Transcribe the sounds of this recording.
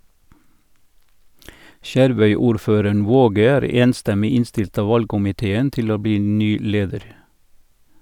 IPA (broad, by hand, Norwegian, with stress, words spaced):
ˈʃæɾˌʋœʏˌuːɾˌføːɾəɳ ˈʋoːɡə ˈæːɾ ˈeːnˌstɛmɪ ˈɪnˌstɪlt ˈɑː ˈʋɑlɡkʊmɪˌteːən ˈtɪl ˈoː ˈbiː ˈnyː ˈleːdəɾ